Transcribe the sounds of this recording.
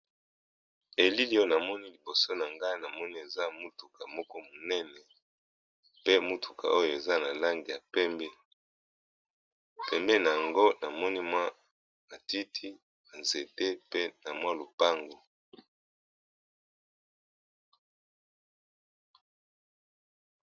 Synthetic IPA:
e˨li˦li˦o˦jo˨na˨mɔ˦ni˦li˨bo˨so˦na˨ŋɡa˦na˨mɔ˦ni˦e˨za˦mu˦tu˨ka˨mɔ˦kɔ˦mo˨nɛ˦nɛ˨ | pe˦mu˦tʰu̥˨ka̰˨o˦jo˨e˨za˦na˨la˦ŋɡi˨ja˨pɛ˦mbɛ˦ | pɛ˨mbɛ˦na˨ja˨ŋɡo˦na˨mɔ˦ni˦mwa˦ | na˨ti˦tʰi˦ | na˨nze˨te˦pe˦na˨mwa˦lo˨pa˦ŋɡo˨

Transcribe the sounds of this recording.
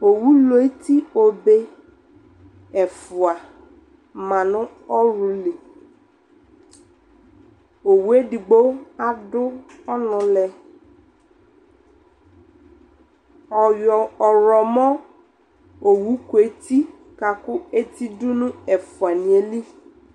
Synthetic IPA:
o˨wu˦lo˨e˦t̪i˦o˨be˦ | ɛ˨fʊ˨a˨ | mã˨nʊ̃˦ | ɔ˦ɾu˨li˨ | o˨wu˦e˦di˨ɡ͡bo˦a˦dʊ˦ | ɔ˦nʊ̃˨lɛ˨ | ɔ˨jɔ˨ɔ˨ɾɔ˨mɔ̃˦ | o˨wu˦ko˨e˦t̪i˦ | ka˨kʊ˦e˦t̪i˦dʊ˦nʊ̃˦ɛ˨fʊ˨a˨nĩ˨e˨li˦

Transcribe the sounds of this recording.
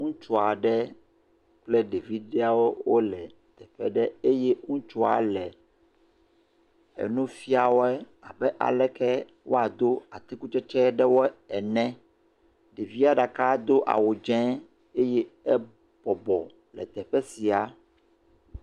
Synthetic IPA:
ŋũ˦t͡ʃo˨a˨ɖɛ˦ | k͡plɛ˦ɖe˨vi˦ɖɛ˦a˨wo˦wo˦lɛ˨ | t̪ɛ˨ɸɛ˦ɖɛ˦e˦jɛ˦ŋũ˦t͡ʃɔ˦a̰˨lɛ˨ | ɛ̰˨nũ˦fi˦a˨wo˦ɛ˦ | a˨bɛ˦ʔa̰˨lɛ˦kɛ˦ | wʔo̰˦a˨d̪o˦a˨t̪i˦ku˦t͡ʃɛ˦t͡ʃɛ˦ɖɛ˦wo˦ɛ˨nɛ̃˦ | ɖe˨vi˦a˦ɖa˨ka˦d̪o˦ʔa̰˨wo˨d͡ʒɛ̃˦ | e˦jɛ˦ɛ˦ | b̥ɔ˨bɔ˨ | lɛ̰˨t̪ɛ˨ɸɛ˦si˨a˨

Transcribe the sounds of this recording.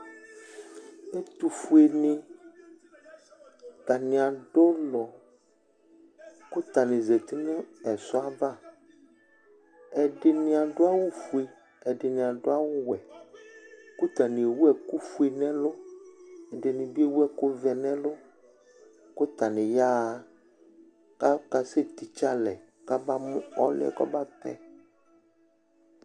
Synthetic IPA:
e˦t̪u˨fu˦e˨nɪ̃˦ | t̪a˨nɪ̃˨a˨ɖo˦lɔ˨ | kʊ˦t̪a˨nɪ̃˨ze˨t̪i˦nʊ̃˦ɛ˨sʊ˦a˦va˦˨ | ɛ˨ɖe˨nɪ̃˨a˨ɖo˦a˦wʊ˦fu˨e˨ | ɛ˨ɖɪ˨nɪ̃˨a˨ɖo˦a˦wʊ˦wɛ˨ | kʊ˦t̪a˨nɪ̃˨e˨wu˦ɛ˨ku˦fu˦e˨nɛ̃˦lʊ˦ | ɛ˨ɖɪ˨nɪ̃˨bi˦e˦wu˦ɛ˦kʊ˦vɛ˨nɛ̃˦lʊ˦ | kʊ˦t̪a˨nɪ̃˨ja˦ | ka˦ka˨se˦t̪i˨t͡ʃa˦lɛ˨ | ka˦ba˦mʊ̃˦ɔ˦lɪ̰˦ɛ̰˨kɔ̰˦ba˦t̪ɛ̰˦

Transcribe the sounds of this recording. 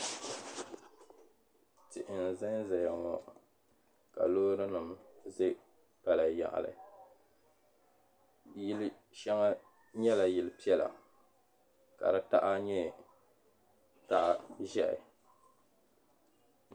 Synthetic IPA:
tɪ˨ʔɪ˨n̩˨za˦nzɛ˨ja˨ŋɔ˨ | ka̰˨loː˦ɾɨ˦nɨ˨mzɨ˦ | pa˨la˨ja̰˨ʔa̰˨lɨ̰˨ | jɪ˦l | ʃɛ˦ŋa˦ | ɲɛ˦la˨jɪ˨lpi˦ɛ˦la̰˨ | ka̰˨dɨ˦ta̰˦ʔa˦ɲɛ˦ | ta˦ʔa˦ʒɛ˦ʔɪ̰˨

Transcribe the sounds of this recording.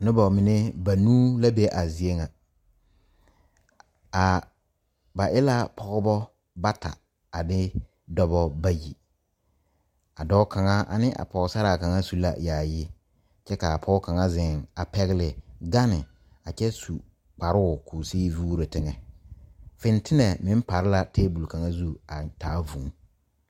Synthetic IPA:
nʊ˦bɔ˨mɪ˨ne˦ba˨nuː˦la˦be˦ʔa˨zi˨e˦ŋa˨ | a˨ | ba˨ʔɪ˦la˦pʰɔ˦ɣʊ˦bɔ˦ | ba˦tʰa̰˨ | a˨bɪ˦ | dɔ˦bɔ˦ba˦ji˨ | a˨dɔ˦kʰa˨ŋa˦ʔa̰˨nɪ˦ʔa̰˨pɔ˨˦sa˦ɾa˨ka˨ŋa˦su˨la̰˨jaː˨jɪ˦ | t͡ʃɛ˦ka˨pʰɔ˦ka˨ŋa˦zɪ˨ŋa˨pɛ˦ɣɪ˦lɪ˨ɡa˦nɪ˨ | a˨t͡ʃɛ˦su˨ | k͡pa˨ɾɪ˦ʊ˨kʰoː˨siː˦vuː˦ɾe˨tɪ˦ŋɛ˨ | fɪ˦n˦tʰɪ˦nɛ˨mɪ˦m˦pa˨ɾɪ˦la˦teː˦bu˨lka˨ŋa˦zu˦a˨taː˨˦vũ˨˦ŋ

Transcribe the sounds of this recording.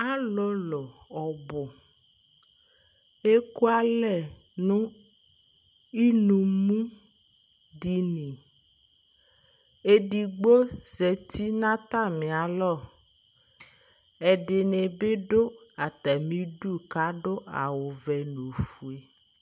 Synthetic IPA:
a˦lɔ˦lɔ˨ɔ˨bʊ˨ | e˦ku˦a˦lɛ˨ | nũ˦ | i˦nũ˨mũ˦ | ɖi˨nĩ˨ | e˦ɖi˨ɡ͡bo˦zɛ˨t̪ʰi˦nã˦t̪a˦˨mẽ˨a˨lɔ˦˨ | ɛ˨ɖe˨ne˨be˦ɖo˦a˨t̪ɛ˨mĩ˦ɖu˦ka˦ɖo˦a̰˨wo˨vɛ˨nu˨fu˨e˨

